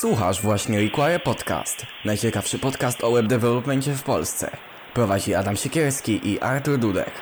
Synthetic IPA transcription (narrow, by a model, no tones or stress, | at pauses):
swuxa̰ʐvwaɕɲɛɾʲikwaɾɛpɔt̪ka̰st̪najt͡ɕɛkafʂɘpɔt̪kast̪ɔwɛbd̪ɛvɛlɔpmɛɲt͡ɕɛfpɔ̰lst̪sɛ̰ | pɾɔvad͡ʑiad̪amɕɛkʲɛɾskʲiʔiʔa̰ɾt̪uɾd̪ud̪ɛ̰k